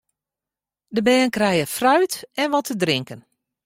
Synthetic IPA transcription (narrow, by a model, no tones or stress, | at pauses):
dəbɛːənkrɛjəfrœɥtɛnʋɔtʰədrɪŋkən